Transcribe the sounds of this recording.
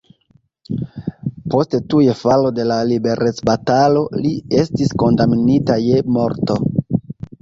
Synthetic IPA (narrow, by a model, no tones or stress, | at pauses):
po̞stetujefalo̞de̞lalibe̞ɾʔe̞t͡sbatalo̞lie̞stisko̞ndamnitaje̞mo̞ɾto̞